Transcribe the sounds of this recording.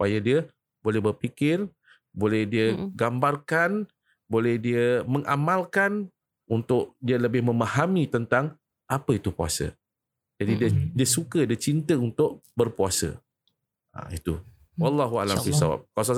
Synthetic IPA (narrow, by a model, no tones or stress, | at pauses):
su̥pajadiə | bolɛhbərpikɪr | bolɛhdiəɡambarkan | bolɛhdiəməŋʔa̰malkan | unt̪ʊʔ̚diələbɪhmə̃mahamit̪ənt̪aŋ | ʔapəit̪upua̰sə̰ | d͡ʒadidiədiəsukədiət͡ʃint̪əunt̪ʊʔ̚ | bərpuasə̰ | a̰it̪u | wɑlːɑɦua̰lambisa̰wa̰p̚kas̬a